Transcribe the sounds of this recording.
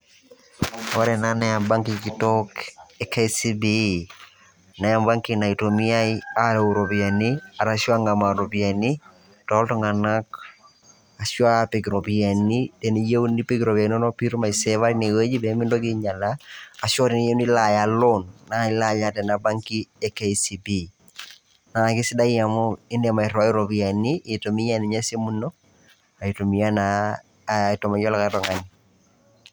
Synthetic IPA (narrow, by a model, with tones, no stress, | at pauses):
ɔ˦ɾɛ˨nanɛaba˦ŋkikitɔkɛka˦si˦bi | na˨jamba˦ŋkina˨itomia˦jaluɾo˨pi˨a˨nia˨ɾasjwa˦ŋɡa˨ma˨ɾo˨pia˨ni | tɔ˨ltɔ˦ŋa˨na˦k̚ | a˨swa˦pe˨ɡɾo˨pia˨nitɛ˨ni˨je˦wni˦pi˦ɡɾo˨pa˨nɔ˦nɔ˦pi˦ɾma˨isɛʋa˦ɾine˨we˦d͡ʒi˦bɛ˨mɪ˦ndɔki˦ɲa˨laː˨sjɔ˦ɾɪ˨ni˦je˦nɪ˦la˨ja˨lo˦nna˨ɪ˦la˦ja˦tɛ˨na˨ba˦ŋki˦ɛ˦ke˨isi˨bi˦ | na˨kɪ˦sɪ˦da˦i˦ja˨mɔ˦ɪ˦ndɛ˨ma˨ɪ˨ɾɔ˨a˦ɪ˦ɾo˨bi˨a˨ni˦ɪ˨to˨mi˦ja˦nɪ˨ɲa˦se˦mu˦no˦ | a˨i˨to˨mi˨ja˦na˨ | tɔ˨ma˨jɔ˦la˨ka˨tɔ˨ŋa˨ni